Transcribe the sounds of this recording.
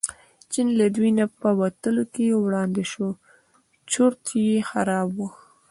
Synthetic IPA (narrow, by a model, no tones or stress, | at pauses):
t͡ʃinlad̪winapəwat̪əlokejewɽɑnd̪eʃo | t͡ʃoɾt̪jexaɾɑbwu